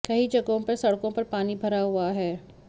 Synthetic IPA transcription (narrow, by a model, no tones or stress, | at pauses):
kɐɦid͡ʒɐɡõpɐɾsɐɽkõpɐɾpaːnibʱɐɾaɦʊaɦɛː